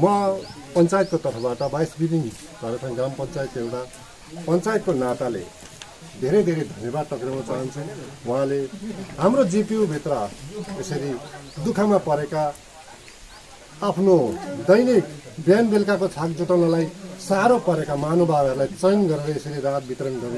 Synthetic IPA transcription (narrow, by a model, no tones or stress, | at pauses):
mʌpʌnt͡sajet̪kot̪ʌrpʰʌbaʈʌbajsbiɾiŋ | kʌɾet͡sʰʌ̃ɡrampʌnt͡sajt̪ewʈa | pʌnt͡sajet̪̚konat̪alḛ | d̪ʱeɾʌd̪ʱeɾʌd̪ʱʌnjʌbad̪̚t̪ʌkrmat͡saɦʌnt͡sʰuwʌ̃ɦãleɦamrod͡zipiubʱit̪rʌesʌɾid̪ukʰamapʌɾeka | pʰnod̪ʌjnikbjanbelkakot͡sʰakd͡zuʈʌnalajsaɾopʌɾekamanobʱaɾʌɾulajt͡sʌjnɡʌɾeɾʌesʌɾiɾad̪̚bit̪ɾʌnɡʌɾe